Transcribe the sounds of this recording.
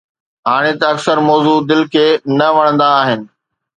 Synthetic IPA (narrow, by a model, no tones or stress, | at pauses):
ɦaːɽ̃et̪ɐɐksəɾmɔːzud̪ɪlkʰeːnɐʋɐɽ̃ə̃nd̪aːɦɪnɪ̆